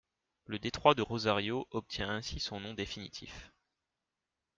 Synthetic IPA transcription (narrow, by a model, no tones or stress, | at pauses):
ləd̪et̪χwad̪əʁozaʁjoʔɔp̚t̪ʰjɛ̃ʔɛ̃sisɔ̃nɔ̃d̪efinit̪ʰḭf